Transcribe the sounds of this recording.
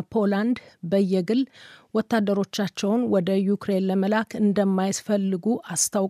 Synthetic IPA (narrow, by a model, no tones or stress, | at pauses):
pʰo̞land̪bəjːɛɡɨlwɔt̪ʰːad̪ːəɾo̞t͡ʃːat͡ʃːɛwnwɔd̪əjukɾe̞nləməlakʰɨnd̪əmːajɪsfəlːɨɡuʔast̪ʰaw